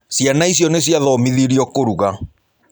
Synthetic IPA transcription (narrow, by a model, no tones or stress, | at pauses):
sjanais̬jɔnes̬iaðɔmiðiɾiɔkoɾuɣa